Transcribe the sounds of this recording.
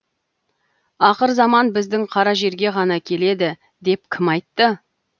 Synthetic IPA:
ɑqəɾzɑmɑnbɪzd̪ɪŋqʰɑɾɑʒe̞ɾɡʲe̞ʁɑnɑkʲʰe̞le̞d̪ɪ | d̪e̞p̚kʲʰɪmɑjt̪ːə

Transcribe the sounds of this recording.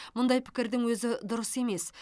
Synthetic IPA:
mʊnd̪ɑjpʰɪ̥kʲɪɾd̪ɪŋwɵzɪd̪ʊɾəse̞me̞s

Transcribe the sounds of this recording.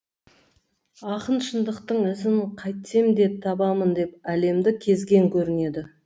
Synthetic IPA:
ɑqənʃənd̪əqt̪əɴɪzɪnqʰɑjt̪se̞md̪e̞p̚t̪ʰɑbɑmənd̪e̞pæle̞md̪ɪkʲʰe̞zɡʲe̞ŋkʲʰɵɾɪne̞d̪ɪ

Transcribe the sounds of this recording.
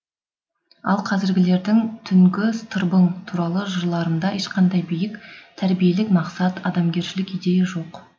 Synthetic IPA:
ɑ̰lˠqʰɑzɪɾɡʲɪle̞ɾd̪ɪŋt̪ʰʏŋɡʲɪst̪ʰəɾbəɴt̪ʰuɾɑlˠəʒʊɾlˠɑɾənd̪ɑʔeʃqɑnd̪ɑjbijɪkt̪ʰæɾbije̞lɪkmɑqsɑt̪ɑd̪ɑmɡʲe̞ɾʃɪlɪkijd̪e̞jɪʒo̞q

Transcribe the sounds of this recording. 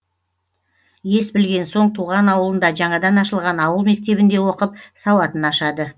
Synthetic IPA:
je̞sbɪlɡʲe̞nso̞ɴt̪ʰuʁɑnɑwəlˠənd̪ɑʒɑɴɑd̪ɑnɑʃəlˠʁɑnɑwəlˠme̞k̚t̪e̞bɪnd̪e̞wo̞qəp̚sɑwɑt̪ənɑʃɑd̪ə

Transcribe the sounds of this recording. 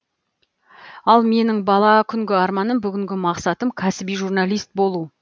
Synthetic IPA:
ɑlˠme̞nɪŋbɑlˠɑkʲʰʏŋɡʲɪɑɾmɑnəmbʏɡʲɪŋɡʲɪmɑqsɑt̪əmkʲʰæsɪbijʒurnɑlˠijst̪̚bo̞lˠu

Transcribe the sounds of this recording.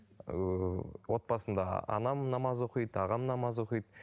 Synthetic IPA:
wo̞t̪̚bɑsənd̪ɑɑ̰nɑmnɑmɑzwoqəjd̪ɑʁɑmnɑmɑzwoqijd̪

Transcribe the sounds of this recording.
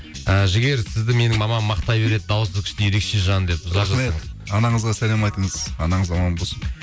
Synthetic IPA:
əʒɪɡʲe̞ɾsɪzd̪ɪme̞nɪŋmɑmɑmːɑqt̪ɑjbe̞ɾe̞d̪ɪd̪ɑwəsəzkʰʲɪ̥ʃt̪eje̞ɾe̞kʃe̞ʒɑnd̪e̞p̚ʊzɑɾʒɑmseəɴzɑnɑɴəzʁɑsælemɑjt̪əɴəzɑnɑɴəzɑmɑnbosə

